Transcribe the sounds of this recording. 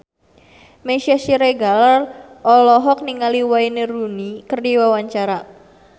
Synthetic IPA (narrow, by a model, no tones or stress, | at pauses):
meʃiasiɾeɡalar | ʔɔlɔɦɔk̚niŋaliwaineɾunikərdiwawaɲt͡ʃaɾa